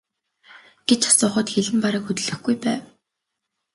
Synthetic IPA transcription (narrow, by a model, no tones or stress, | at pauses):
ɡ̥et͡ɕḁsʊːχə̆ːt̪xeɮɘ̆mpaɾəːkxɵt̪ɵ̆ɮɵ̆xɡujpæːw